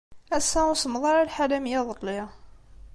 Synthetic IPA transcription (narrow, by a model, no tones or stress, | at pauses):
æsæʊsəmðˤɑɾˤalħalæmjæðˤəlːɪ